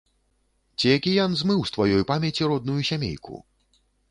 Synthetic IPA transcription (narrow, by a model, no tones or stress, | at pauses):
t͡sʲijakʲijanzmɨwst̪vajɔjpamʲɛt͡sʲiɾɔd̪nujusʲamʲḛjkʰṵ